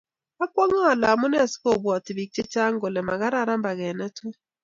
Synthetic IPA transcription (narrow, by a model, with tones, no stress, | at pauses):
a˦kwɔ˦ŋɔ˦a˨la˨mʊ˦n˦a˨sko˦˨bɔ˨ti˨bi˨k̚t͡ʃe˦t͡ʃa˦ŋ˦ɡo˨lɛ˨ma˨ɣa˦ɾa˦ɾa˦mba˨ɣɛ˨nɛ˦tʊ˦